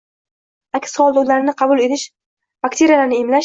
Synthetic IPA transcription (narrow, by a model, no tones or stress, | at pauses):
akʲsɒlˠd̪ulaɾnɪqʰɑbʊlˠe̞t̪ɪʃ | bakt̪ʰe̞ɾijalanɪemlaʃ